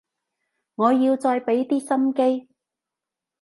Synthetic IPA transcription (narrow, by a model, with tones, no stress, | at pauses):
ŋɔː˨˧jiː˧wt͡sɔː˧jpe˨˥jt̪iː˥sɐ˥mke˥j